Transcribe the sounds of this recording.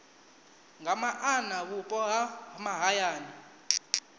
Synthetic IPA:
ŋʱamaʔanaβupʼɔaamaɦajaːni

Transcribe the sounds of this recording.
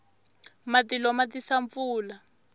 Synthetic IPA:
matilɔmatisaɱfuːla

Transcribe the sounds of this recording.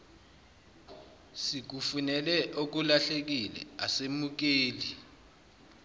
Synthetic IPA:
sik̬ufunɛlɛʔok̬ulaɬek̬ilɛ̰asemuk̬eːli

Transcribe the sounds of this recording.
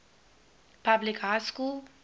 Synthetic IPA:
pʰablɪkɦaskul

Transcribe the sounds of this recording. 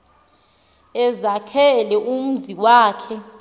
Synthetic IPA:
ɛzakʰɛlɛʔum̩ziwaːkʰɛ

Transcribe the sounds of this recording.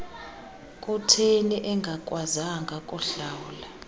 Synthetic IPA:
kʼutʰeniʔɛŋɡʱakʼwazaŋɡʱakʼuɬawla

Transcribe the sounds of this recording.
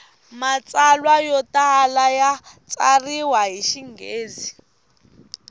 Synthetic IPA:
mat͡salwajɔtaɦalajat͡sʼariwaɦiʃiŋɡeːd͡zi

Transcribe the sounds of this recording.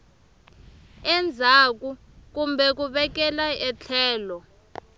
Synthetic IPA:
ɛnd͡zʱak̬u | k̬umbʱɛk̬uɓɛk̬ɛlaɛt͡ɬʰɛːlɔ

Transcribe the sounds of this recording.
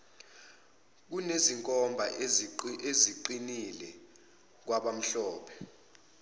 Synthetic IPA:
k̬uneziŋkʼɔmbʱa | eziǃinilɛ | k̬waɓam̩ɬɔːpʰɛ̥

